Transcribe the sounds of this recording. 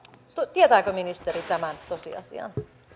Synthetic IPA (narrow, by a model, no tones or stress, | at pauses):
t̪ot̪iet̪æːkøminist̪eɾit̪æmænt̪osḭɑ̰sḭɑ̰n